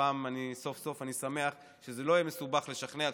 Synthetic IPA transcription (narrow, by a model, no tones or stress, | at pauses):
aːmaniso̞fso̞fanisame̞aχ | ʃezelo̞jemesubaχle̞ʃaχnea